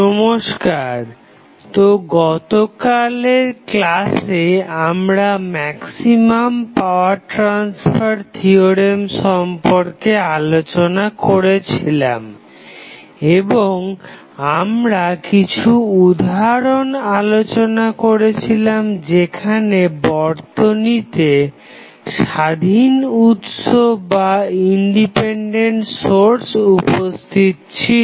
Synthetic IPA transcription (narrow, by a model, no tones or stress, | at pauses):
ɔmoʃkaɾ | t̪oɡɔt̪okaleɾklaseamɾamɛksimampaʊaɾʈɾansfaɾt̪ʰioɾemʃɔmpoɾkealot͡ɕonakoɾet͡ɕʰila̰m | eboŋ | amɾakit͡ɕʰuud̪ʱaɾonalot͡ɕonakoɾet͡ɕʰilamd͡ʑekʰanebɔɾt̪onit̪e | ʃad̪ʱinut̪ʃobaiɳɖipeɳɖeɳʈsoɾsupost̪ʰit̪t͡ɕʰi